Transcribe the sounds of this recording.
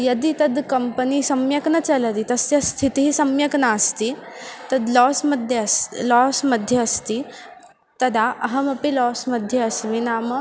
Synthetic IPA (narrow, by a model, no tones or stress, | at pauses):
jɐd̪it̪ɐd̪kɐmpənisɐmjɐknɐt͡sɐləd̪it̪ɐsjɐst̪ʰit̪iɦisɐmjɐknaːst̪iːt̪ɐd̪lɔsməd̪ʱjeslɔsməd̪ʱjɐɐst̪iː | t̪ɐd̪aɐɦəmɐpilɔːsmɐd̪ʱːjɐɐsʋinaːmə